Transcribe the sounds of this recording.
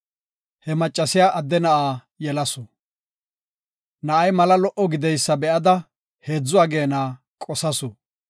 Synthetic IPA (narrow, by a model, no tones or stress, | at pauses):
hɛmɐt͡ʃʼːɐsɪjaːʔɐd̪ːɛnɐʔaː | jɛlɐsɔ | nɐʔɐjmɐlɐlɔʔɔɡɪd̪ɛjsːɐbɛʔɐd̪ɐ | he̞ːd͡zːʊwaːɡe̞ːnaː | kʼɔsɐsɔ